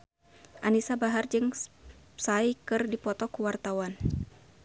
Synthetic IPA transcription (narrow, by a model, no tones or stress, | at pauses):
ʔanisabaɦard͡ʒɨŋ | saikɨrdipɔt̪ɔkuwart̪awan